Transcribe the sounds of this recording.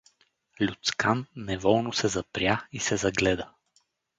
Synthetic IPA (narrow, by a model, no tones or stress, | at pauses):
lʲut̪skʰanːɛvɔlˠnʊsɛzɐpɾʲjaisɛzɐɡlɛd̪ə